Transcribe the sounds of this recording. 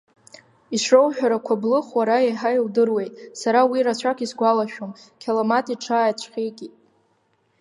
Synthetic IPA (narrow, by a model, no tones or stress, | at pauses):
iʃowħᶣaɾakʷʰablɨχwaɾaeħaildɨrwe̞jtʼsaɾawiɾat͡ɕʷʰakʰʼisɡʷalaʃᶣom | kʲʰalomatʼiʈ͡ʂʰajat͡ɕʷʰχʲejɡʲi